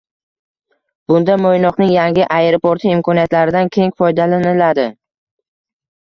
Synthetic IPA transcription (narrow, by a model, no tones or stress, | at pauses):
b̥ʊnd̪amojnɒqnɪŋjaŋʲɪʔajɾopoɾt̪ʰɪːmkʰɒnijat̪laɾɪd̪ankʲʰe̞ŋfɒjd̪alanɪlad̪ɪ